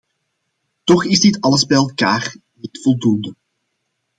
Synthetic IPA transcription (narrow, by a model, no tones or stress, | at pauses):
tɔxɪzdɪtɑləzbɛjɛlˠkaːr | nitfɔlˠdundə